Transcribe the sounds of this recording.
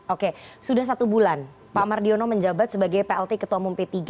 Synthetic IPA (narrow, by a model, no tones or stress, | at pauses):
ʔokesudahs̬at̪ubulan | pamardionoməɲd͡ʒabat̪̚səbaɡajpeɛlt̪ekət̪uamumpet̪iɡ